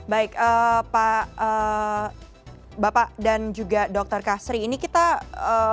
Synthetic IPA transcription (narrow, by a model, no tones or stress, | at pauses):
baɪkəːpaə | bapadand͡ʒuɡadɔk̚t̪ərkasɾiːnikit̪aə